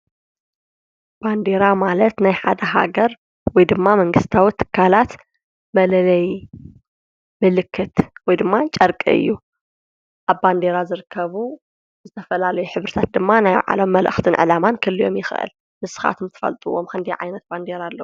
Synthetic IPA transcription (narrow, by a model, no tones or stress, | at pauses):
b̥and̪eɾamalɐt̪najħad̪ɐɦa̰ɡɐɾ | wɔjd̪ɨmːamɐŋɡɨst̪ʰawut̪ʰːɨ̥kʰːalat̪ | mɐlɐlɐj | mɨlɨkʰːɨt̪wɔjd̪ɨmːat͡ʃʼɐɾkʼḭɨ̰jːu | ʔaβband̪e̞ɾazɨɾɨkʰːɐβu | zɨt̪ʰɐfɐlalɐjuħɨβɾɨt̪ʰat̪̚d̪ɨmːanajʕa̰lomːɐlʔɨxt̪ʰɨnʕɨ̰lamankʰɨlːijo̞̰mjɪxʔɨ̰l | mɨsɨ̥xa̰t̪ʰɨmt̪ʰɨ̥fɐ̰lt̪ʼɨwomkɨnd̪ijʕa̰jnɐt̪̚band̪eɾalːɐw